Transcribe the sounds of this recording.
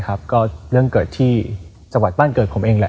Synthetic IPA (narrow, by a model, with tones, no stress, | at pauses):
kʰa˦˥p̚kɔː˥˩ɾɯ˥˩əŋkɤː˨˩t̪ʰːiː˥˩ | t͡ɕa˧ŋwa˨˩t̪̚aː˥˩nkɤː˨˩t̪̚pʰo˩˦mʔeː˧ŋlɛ˧˦˥